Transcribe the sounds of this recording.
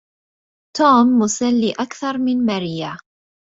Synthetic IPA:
t̪uːmːʊsalːiːʔakθɑɾˤmɪnmaɾiːa

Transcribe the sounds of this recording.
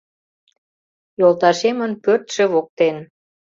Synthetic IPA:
jolˠt̪ɑʃemənpørt̪ʃĕβok̚t̪en

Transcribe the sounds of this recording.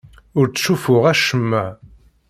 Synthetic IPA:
ʊɾt͡sːʃufʊʁæʃəmːæʕ

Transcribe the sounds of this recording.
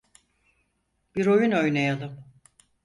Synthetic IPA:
b̥iɾo̞juno̞jnejalˠɯm

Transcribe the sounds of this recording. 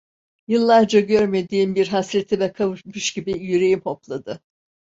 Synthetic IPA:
jɯlˠːaɾd͡ʒaɟøɾme̞d̪iːmbiɾɦasɾe̞t̪ʰimɛkʰavɯmɯʃɟ̥ibijyɾe̞jimho̞plˠad̪ɯ

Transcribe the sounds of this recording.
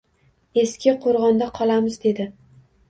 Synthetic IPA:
e̞skʲʰɪqʰoɾʁɒnd̪aqʰɒlˠamɪzd̪e̞d̪ɪ

